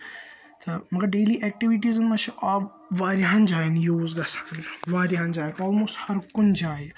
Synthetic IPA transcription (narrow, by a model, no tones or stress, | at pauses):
t̪ʰɐmɐɡɐɾɖeːliʔɛk̚ʈiʋiʈizɐnmɐt͡ʃʰiʔa | ʋaːɾiɦãnd͡ʒaːjinjoːzɡɐsḁːnʋaːɾiãːnd͡ʒaːjkɔːlmoːsʈhɐɾkʊnd͡ʒaːj